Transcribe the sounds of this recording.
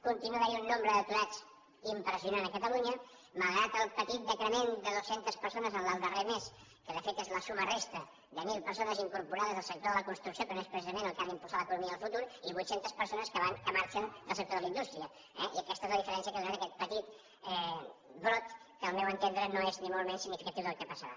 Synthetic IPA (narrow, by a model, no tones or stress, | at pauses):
kunt̪inuðəiunːombɾəðət̪uɾat͡s | impɾəziunanəkət̪əluɲə | məlˠɣɾat̪əlˠpət̪it̪̚d̪əkɾəmend̪əðosent̪əspəɾsonəzənəlˠd̪əremes | kəðəfet̪ezləsumərest̪ə | ðəmilˠpəɾsonəziŋkuɾpuɾaðəzðəlˠsək̚t̪oðələkunst̪ɾuksiokənoespɾəsizəmẽnəlˠkalimpuzaləkunumiəəlˠfut̪uɾiβujt̪sent̪əspəɾsonəskəβankəmaɾt͡ʃənd̪əlˠsək̚t̪oðələind̪ust̪ɾiə | ɛiəkɛst̪əezləðifəɾɛnsiəkəɣɾanəkɛt̪̚pət̪it̪ | ɛbɾot̪ | kəːlˠmɛwənt̪end̪ɾənoeznimolˠmesːiɡnifikət̪iwðəlˠkəpəsəɾa̰